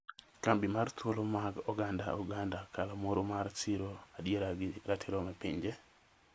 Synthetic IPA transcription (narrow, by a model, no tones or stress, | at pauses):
kambimart̪wolomaɡɔɡanda̰uɡandakalamoɾomaɾt͡ʃiɾoadjeɾaɡɪɾatʰiɾomɛpiɲd͡ʒɛ